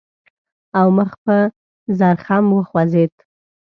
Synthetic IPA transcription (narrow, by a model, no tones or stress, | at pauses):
awməxpə | zaɾxamwəxwazet̪